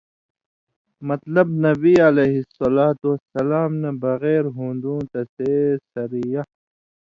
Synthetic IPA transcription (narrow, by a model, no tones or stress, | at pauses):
mɐt̪lɐbnɐbiɐleɦisɐlaːt̪uɐsɐlaːmnɐbɐɣɛːɾɦũːnd̪ũːt̪ɐsesɐɾija